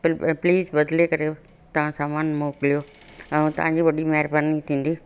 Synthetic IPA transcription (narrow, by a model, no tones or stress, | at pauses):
pliːzbɐd̪lekɐɾe | t̪ɐʋ̤ãsaːmaːnmoːkɪlijoː | ɛ̃t̪ɐ̰ʋ̤ãːɲ̆d͡ʑiːʋɐɗimɛɦɾbaɾnit̪ʰĩːn̆d̪iː